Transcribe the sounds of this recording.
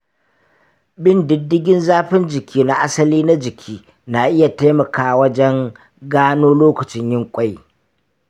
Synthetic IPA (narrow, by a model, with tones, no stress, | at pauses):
bɪ˦ndɪ˦dːɪ˦ɡʲɪ˦nzaː˦ɸɪ˦nd͡ʒɪ˨kʲʰiː˦na˨ʔa˦sɐ˦liː˦na˦d͡ʒɪ˨kʲʰiː˦ | na˨ʔɪ˦ja˨ta˦jmɐ˨kaː˨wɐ˦d͡ʒɛ˦ŋ | ɡaː˦noː˦loː˦kɐ˨t͡ʃɪ˦ɲjɪ˦ŋkʷʼa˦j